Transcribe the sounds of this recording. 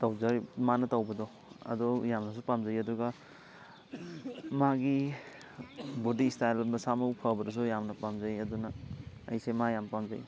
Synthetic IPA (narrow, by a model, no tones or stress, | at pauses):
tawzaɾmanɐtawbɐdɔ | ɐ̰dɔjamnɐs̬upamzajɐdɔɡa | maɡi | bodistajlbɐsamɐpʰabɐɾɐs̬ujamnɐpamzajɐdunɐɐ̰jsemajampamza̰j